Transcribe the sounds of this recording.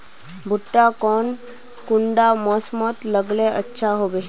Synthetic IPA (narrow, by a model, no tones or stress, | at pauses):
bʱʊʈːakɔːn | kʊɳɖamɔsmɔt̪ləɡleʔətːʃʰaɦoːbe